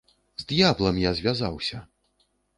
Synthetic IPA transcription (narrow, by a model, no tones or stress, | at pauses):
zʲd̪jablˠɐmjazʲvʲazawsʲɐ